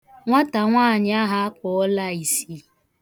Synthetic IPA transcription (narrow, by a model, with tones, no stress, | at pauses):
ŋʷa˦ta˨ŋʷaː˦˨ɲɪ˦a˦ɦa˦a˦kɔ˨ɔ˦la˦˨i˨si˨